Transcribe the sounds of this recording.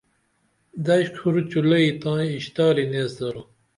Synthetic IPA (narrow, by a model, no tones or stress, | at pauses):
d̪ɐɕkʰuɾut͡ɕulɐit̪ãːiːɕt̪aːɾineːsd̪ɐɾu